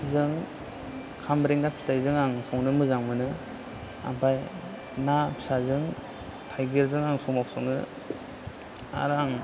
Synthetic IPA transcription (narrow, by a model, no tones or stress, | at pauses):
zɯŋ | kʰamɾeŋɡapʰi̥tajzɯŋaŋsɔŋnɯmɯzaŋmɯnɯ | a̰mpʰaj | napʰi̥sazɯŋ | pʰajɡeɾzɯŋaŋsɔŋmak̚sɔŋɯ | a̰ɾaŋ